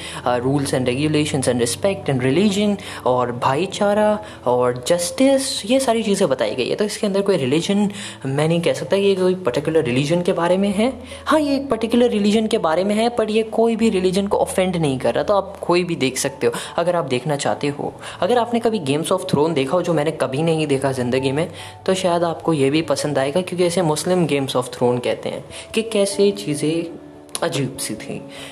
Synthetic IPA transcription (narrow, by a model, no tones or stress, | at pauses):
ɾuːlzɛ̃ɳɖɾɛːɡjuleːʃə̃nzɛ̃nɖɾɪspɛk̚ʈɛ̃ɳɖɾɪlid͡ʒən | ɔːɾbʱaːit͡ʃaːɾa | ɔːɾd͡ʒɐsʈɪsjesaːɾit͡ʃiːzẽbɐt̪a̰ːḭɡɐḭɦɛ̰t̪oɪskeɐ̃nd̪əɾkoːiɾɪlɪd͡ʒən | mɛ̃ːnɐɦĩkɛɦsɐk̚t̪aɦɛkijekoːipɐɾʈɪkjʊləɾːɪlid͡ʒənkebaːɾemẽɦɛ̃ː | hãːjeːk̚pɐɾʈɪkjʊləɾːɪlɪd͡ʒənkebaːɾemẽɦɛpɐɾjekoːibʱiɾɪlɪd͡ʒənkoʔəfɛ̃ɳɖnɐɦĩkɐɾːat̪oaːp̚koːibʱid̪eːkʰsɐk̚t̪eɦoːɐɡəɾaːp̚d̪eːkʰnat͡ʃa̰ːɦt̪eɦo̰ː | ɐɡəɾaːpnekɐbʱiɡeːmsɔːft̪ʰɾoːnd̪eːkʰaɦod͡ʒoːmɛ̃ːnekɐbʱinɐɦĩd̪eːkʰazɪ̃nd̪əɡimẽ | t̪oʃaːjəd̪aːpkojebʱipɐsə̃nd̪aːeːɡakjõːkiɛːsemʊslɪmɡeːmsɔːft̪ʰɾoːnkɛːɦt̪ḛɦɛ̰̃ːkekɛːset͡ʃiːzẽ | ɐd͡ʒiːbsit̪ʰḭ̃ː